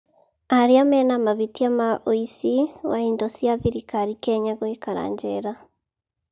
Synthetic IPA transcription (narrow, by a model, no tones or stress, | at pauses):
aɾiamɛnamaβitiamaʔoisiwaindɔsiaðiɾikaɾikɛɲaɣwekaɾa̰ːɲd͡ʒɛɾa